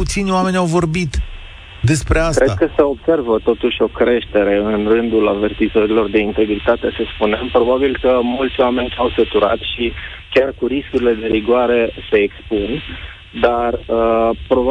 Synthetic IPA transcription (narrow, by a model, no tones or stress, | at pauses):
ut̪sinʲoame̞nʲawvo̞rbit̪ | d̪e̞spɾe̞askɾed̪̚kəsəo̞bse̞rvət̪o̞t̪uʃʲo̞kɾe̞ʃt̪e̞ɾe̞ɨnrɨnd̪ulave̞rt̪izəɾilo̞rd̪e̞int̪e̞ɡɾit̪at̪e̞səspunempɾo̞babilkəmult̪sʲoame̞nʲawsət̪uɾa̰t̪ʃi | kʲarkuɾiskuɾile̞d̪e̞ɾiɡwaɾe̞se̞ːkspun | d̪arəpɾoba